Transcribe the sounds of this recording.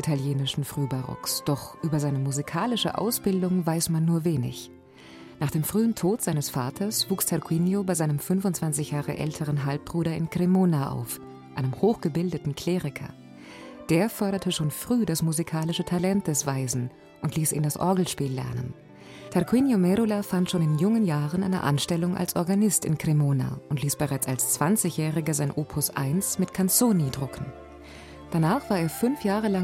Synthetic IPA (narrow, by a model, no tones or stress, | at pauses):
ʔitʰaljeːnɪʃn̩fʁ̥yːbaʁɔ̰ksd̥ɔχʔyːbɐzaɪnəmuzikʰaːlɪʃə̰ʔa̰ʊsb̥ɪldʊŋvaɪsmanːuːɐveːnɪ̰ç | naːχd̥eːmfʁ̥yːəntʰoːtz̥aɪnəsfaːtʰɐsv̥uːkstʰaʁkwinjobaɪzaɪnəmfʏnfʊntt͡sv̥ant͡sɪçjaːʁə̰ʔɛ̰ltʰəʁ̞ənɦalp̚b̥ʁuːɾɐɪnɡʁemoːnaʔa̰ʊf | ʔaɪnəmhoːxɡ̥əbɪldətn̩kʰl̥eːʁɪkʰɐ̰ | d̥eːɐfɔɐɾɐtʰəʃoːnfʁ̥yːdasmuzikʰaːlɪʃətʰalɛnt̚d̥ɛsv̥aɪzn̩ | ʔʊntliːsḭːndasʔɔ̰ɐɡl̩ʃpiːlːɛ̰ɐnə̰n | tʰɛʁkwiːnjomɛɾulafantʃoːnɪnjʊŋənjaːʁ̞ənʔa̰ɪnə̰ʔa̰nʃtɛlʊŋʔa̰lsʔɔɐɡanɪstɪ̰nɡʁ̥emoːna̰ʊntliːsb̥əʁaɪt͡sa̰lst͡sv̥ant͡sɪçjɛːʁɪɡəzaɪnʔoːpʰʊsʔa̰ɪnsmɪtkʰant͡soːnidʁʊkʰn̩ | d̥anaːχv̥aːɐeːɐfʏnfjaːʁ̞əla